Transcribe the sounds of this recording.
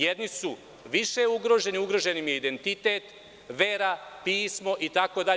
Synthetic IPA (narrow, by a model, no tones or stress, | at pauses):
jed̪nisu | ʋiʃe̞uɡɾo̞ːʒe̞niuɡɾo̞ʒe̞nimjeid̪e̞nt̪it̪e̞ːt̪ | ʋe̞ːɾapiːsmo̞ʔit̪ako̞d̪a